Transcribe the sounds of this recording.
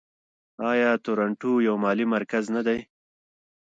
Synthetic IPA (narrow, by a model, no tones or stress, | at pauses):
ɑjɑːt̪oɾaɳʈujawmɑːlimaɾkaznad̪aj